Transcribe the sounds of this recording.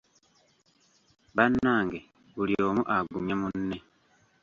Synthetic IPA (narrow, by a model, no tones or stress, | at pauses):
βanːaːŋɡe | βulio̞ːmuʔaɡuɲamunːe